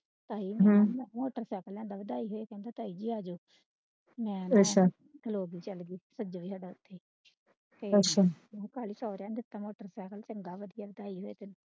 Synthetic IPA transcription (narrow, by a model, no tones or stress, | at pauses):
t̪aːiːmɦmɛ̃moːʈəɾsɛːkəlɛ̃ːnd̪aːʋɪd̪aːiːɦoːeːkɛ̃ːnd̪aːt̪aːiːd͡ʒiːaːd͡ʒoː | mɛ̃ːətʃʰaː | k̪ʰəloːɡiːt͡ʃəlɡiːsəd͡ʒoːʋiːsaːɖaːʊt̪ʰːeː | t̪eːətʃʰãːkaːliːsɔːɾjãːd̪ɪt̪ːaːmoːʈəɾsɛːkəlt͡ʃəŋɡaːʋəd̪ijaːʋɪd̪aːiːɦoːeːt̪en